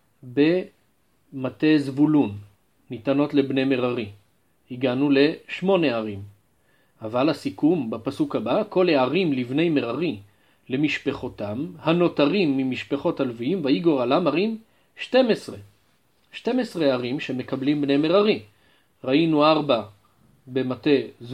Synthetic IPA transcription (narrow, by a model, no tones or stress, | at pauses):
be̞ | mate̞zvulunː | itano̞tle̞bne̞jme̞ʁaʁi | iɡanule̞ʃmo̞ne̞aʁim | avalasikumbapasukhabako̞leaʁimlivne̞jme̞ʁaʁi | le̞miʃpeχo̞tamhano̞taʁimːimiʃpeχo̞talviimvaiɡo̞ʁalamaʁim | ʃte̞mesʁe | ʃte̞mesʁeaʁimʃe̞me̞kablimbne̞jme̞ʁaʁi | ʁainuaʁba | be̞mate̞z